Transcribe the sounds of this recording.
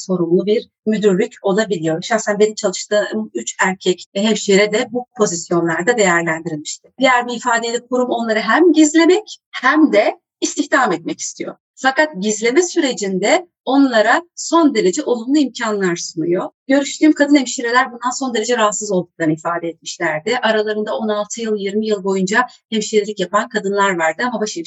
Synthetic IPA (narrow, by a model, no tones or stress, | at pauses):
so̞ɾumlˠubiɾ | myd̪yɾlʲycʰo̞lˠabilʲijo̞ɾʃaxsænbe̞nimt͡ʃʰalˠɯʃt̪ɯːmyt͡ʃæɾcʰɛcɦɛmʃijeɾɛd̪ɛbupʰo̞zisjo̞nlˠaɾd̪ad̪e̞jæɾlʲænd̪iɾilʲmiʃt̪ʰɪ̥d̪ijæɾbiifaːd̪ed̪ʲikʰuɾumo̞nlˠaɾɯɦæmɟizlʲe̞mɛchæmd̪ɛ | ist̪içt̪ʰamɛt̪̚mɛci̥st̪ʰijo̞̰ | fakat̪̚ɟizlʲe̞mɛsyɾe̞d͡ʒind̪ɛ | o̞nlˠaɾaso̞nd̪e̞ɾe̞d͡ʒɛʔo̞lˠumlˠuimcʰanlˠaɾsunujo̞ɟ̥ø̞ɾyʃt̪ʰyːmkʰad̪ɯnhemʃiɾelʲæɾbund̪anso̞nd̪e̞ɾe̞d͡ʒɛɾaɦat̪sɯzolˠd̪uk̚lˠaɾnɯifaːd̪ɛɛt̪̚miʃlʲæɾd̪ɪʔaɾalˠaɾɯnd̪ao̞nalˠt̪ʰɯjɯlˠjiɾmijɯlˠbo̞jund͡ʒahemʃeɾilʲicjapankʰad̪ɯnlˠaɾvaɾd̪ɯamabaʃe